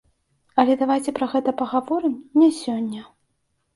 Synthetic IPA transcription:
ɐlʲɛd̪avajt͡sʲɛpɾɐɣɛt̪ɐpɐɣavɔɾɨmnʲɛsʲɔnʲːɐ

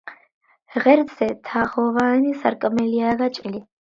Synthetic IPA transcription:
ʁɛɾsɛt̪ʰaχɔvanisaɾkʼmɛliaɡat͡ʃʼili

